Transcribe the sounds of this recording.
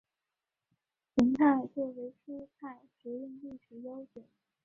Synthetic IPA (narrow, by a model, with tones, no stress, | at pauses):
ɕʰi˧˥ŋt̪ʰa˥˧ɪt͡sɔ˥˩we˧˥ɪʈ͡ʂʰu˥t͡sʰa˥˩ɪʈ͡ʂɻ̩˧˥i˥˧ŋli˥˩ʈ͡ʂ̩˧˥jo˥ʊt͡ɕjɔ˨˩˦